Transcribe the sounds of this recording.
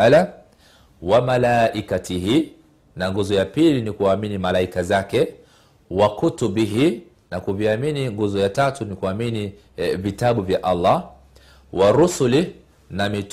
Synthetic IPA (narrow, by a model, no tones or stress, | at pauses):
ala | wamalaʔikatiɦi | naŋɡuzɔjapilinikuaːminimalaikazakɛ | wakutubiɦi | nakuviaminiŋɡuzɔjatatunikuamini | vitaɓuvjaʔalːɑ | waɾusuli | namit